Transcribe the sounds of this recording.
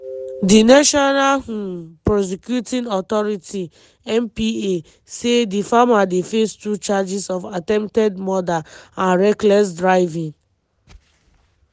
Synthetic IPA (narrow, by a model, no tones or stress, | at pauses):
dinaʃɔnahũpɹɔs̬ɛkjutĩnɔtɔɹitʰi | ɛ̃mpie | sedifamadefestut͡ʃad͡ʒisɔfatɛ̃mptɛdmɔdaãnɹɛklɛs̬dɹaɪvĩŋ